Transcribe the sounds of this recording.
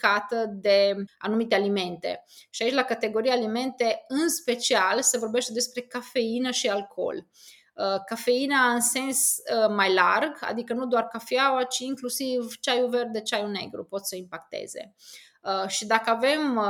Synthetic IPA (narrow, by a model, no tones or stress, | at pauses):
kat̪əd̪e̞a̰numit̪ealime̞nt̪e̞̰ʃiait͡ʃʲlakat̪e̞ɡo̞ɾiaːlime̞nt̪e̞ɨnspe̞t͡ʃialse̞vo̞rbe̞ʃt̪e̞d̪e̞spɾe̞kafe̞inəʃialkʰo̞̰l | kafe̞inaɨnse̞nsmajlarɡa̰d̪ikənud̪oarkafiawat͡ʃiːŋklusivt͡ʃajuve̞rd̪d̪e̞t͡ʃajune̞̰ɡɾṵpo̞t̪səimpakt̪e̞̰ze̞̰ | ʃid̪akəave̞m